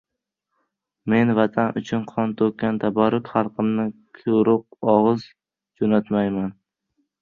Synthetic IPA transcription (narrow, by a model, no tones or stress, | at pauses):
me̞nvat̪ʰanʔʊt͡ʃʰʊnqʰɒnt̪ʰokʲːant̪ʰabaɾʊkʲχɑɾqʰɨmnɪkʲʰʊɾʊq̚ɒʁɨz | d͡ʒonat̪majman